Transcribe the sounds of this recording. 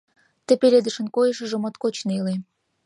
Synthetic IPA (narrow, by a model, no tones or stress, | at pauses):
t̪ĕpelʲed̪ə̆ʃə̆nkojəʃə̆ʒə̆mot̪kot͡ɕneile